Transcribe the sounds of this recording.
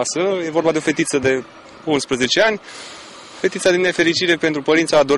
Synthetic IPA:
asəje̞vo̞rbad̪e̞o̞fe̞t̪it̪səd̪e̞ | unspɾəze̞t͡ʃe̞anʲ | fe̞t̪it̪sad̪inːe̞fe̞ɾit͡ʃiɾe̞pe̞nt̪ɾupəɾint̪saːd̪o

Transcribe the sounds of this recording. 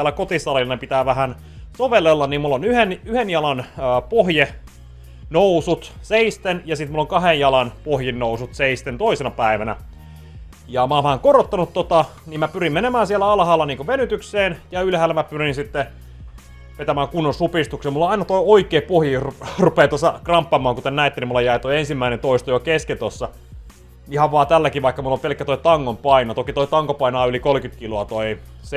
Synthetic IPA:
ælːækot̪isɑlilːɑnepit̪æːʋæhæn | soʋelːelːɑnimmulːonyhenyhenjɑlɑnːpohje | nousut̪seist̪enjɑsit̪mulːoŋkɑhejjɑlɑnpohjinnousut̪seist̪ent̪oisenɑpæiʋænæ̰ | jɑmæɑːnʋæhæŋkorot̪ːɑnut̪tot̪ɑ | niːmæpyrimmenemæːnsielːæɑlhɑːlːɑniːŋkoʋenyt̪ykseːnjɑylhæːlːæmæpyrinsit̪ːe | ʋet̪æmæːŋkunːonsupist̪uksemulːɑɑinɑt̪oioikˑeːpohjirrupeːt̪osːɑkrɑmpːɑmˑɑːŋkut̪ennæet̪ːænimulːɑjæit̪oiensimːæinent̪oist̪ojokesket̪osːɑ | ihɑʋʋɑːt̪ælːækiʋɑikːɑmulːopelkːæt̪oit̪ɑŋːompɑinɑt̪okit̪oit̪ɑŋkopɑinɑːylikolkyt̪kiloɑt̪oi | s

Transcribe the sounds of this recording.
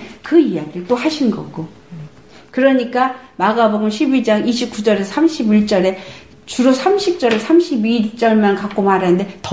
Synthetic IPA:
kɯijaɡiɯt͈ohaɕʰinɡʌ̰ɡo | kɯɾʌɲik͈amaɡaboɡɯmɕʰibid͡ʑaŋiɕʰip̚k͈ud͡ʑʌɾeʌsʰamɕʰibiɭt͡ɕ͈ʌɾe̞ | t͡ɕuɾosʰamɕʰip̚t͡ɕ͈ʌɾe̞sʰamɕʰibit͡ɕ͈ʌɭmankak͈omaɾanɯnde̞tʌ

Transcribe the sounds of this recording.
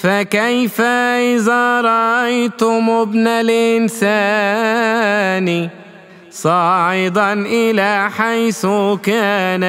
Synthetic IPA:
fakajfaʔɪðaːɾˤɑʔɑjt̪ʊmʊbnalʔɪnsa | n | sˤɑːʕɪd̪ɑnʔɪlaːħajθʊkaːna

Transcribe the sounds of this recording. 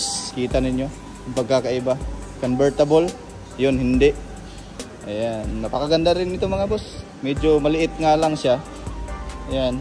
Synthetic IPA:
skiːt̪ɐnɪɲjo̞ | kʊpɐɡ̚kːakɐʔɪba | konbɛɹt̪ɐbol | jonɦɪnd̪ɛʔ | ʔɐjanːɐpɐkɐɡɐnd̪aɾɪnːɪt̪oŋmɐŋabos | mɛːd͡ʒomɐlɪʔɪt̪̚ŋaːlɐŋʃa | ʔɐjan

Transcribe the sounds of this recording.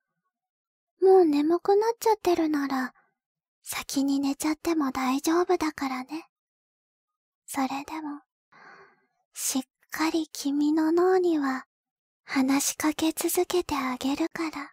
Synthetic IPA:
mo̞ːne̞mo̞kɯ̟natt͡ɕat̪ːe̞ɾɯ̟naɾa | sakʲiɲ̟ine̞t͡ɕat̪ːe̞mo̞d̪aiʑo̞ːbɯ̟d̪akaɾane̞ | so̞ɾe̞d̪e̞mo̞ | ɕikkʰːaɾʲikʲʰimʲino̞no̞ːɲ̟iβa | hanaɕi̥kake̞t͡sɨzɨke̞t̪e̞aɡʲe̞ɾɯ̟kaɾa

